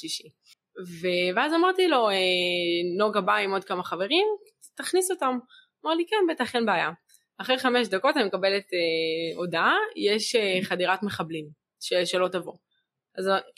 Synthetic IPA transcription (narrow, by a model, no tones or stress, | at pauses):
ʃiʃi | veveazamaʁtilo̞eno̞ɡabaimo̞d̪̚kamaχave̞ʁim | taχniso̞tam | maʁlikenbetaχenbeaja | aχʁeχameʃdako̞tanimekabe̞leteo̞daajeʃeχadiʁatmeχablim | ʃeʃelo̞tavo | az